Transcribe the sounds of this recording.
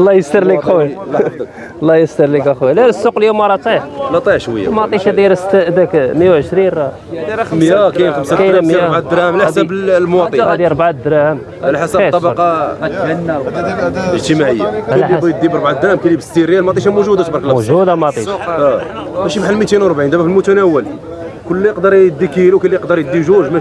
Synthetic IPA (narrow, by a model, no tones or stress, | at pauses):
lˤːɑjəst̪əɾˤliw | lˤːɑjəst̪əɾˤlikæxwlæəsːuqəljumɑɾˤɑt̪ˤiħlɑt̪ˤiʕʃwə̰jːamɑt̪ˤiʃd̪iɾsət̪ːd̪ækmjawʕəʃɾinrˤɑ | makæjmxəmskæjmæbʕad̪ɾæmlæsæbmwɑtˤəd̪iɾˤbʕad̪ɾæhəm | ælħasbt̪ːˤɑbɑɾqɑ | əʒt̪əmaʕəjːaæbijd̪ːibɾˤbʕad̪ɾæhmkælibəst̪iɾjælmɑt̪ˤiʃ̬amuʒud̪at̪bɑɾˤklmuʒud̪amɑt̪ˤiʃæmæʃibħəlmit̪inwɾˤbʕind̪æmæfəlmut̪ænæwːəl | kʊlːiəqd̪əɾˤəd̪ːikilukælːijəqd̪əɾˤjəd̪ːiʒuʒmæ